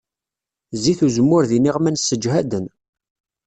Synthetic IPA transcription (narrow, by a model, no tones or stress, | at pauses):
ziθuzəmːʊɾðiniʁmænsːəd͡ʒɦæd̪ən